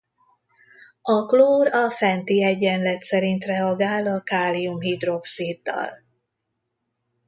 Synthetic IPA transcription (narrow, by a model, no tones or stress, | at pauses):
ɒkloːrɒfɛnt̪iɛɟɛnlɛt̪sɛɾint̪rɛɒɡaːlɒkaːlijumɦid̪ro̞ksid̪ːɒ̰l